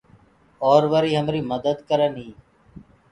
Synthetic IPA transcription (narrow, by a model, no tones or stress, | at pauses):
ɔːɾʋəɾiːɦəmɾiːməd̪əd̪kəɾənɦĩː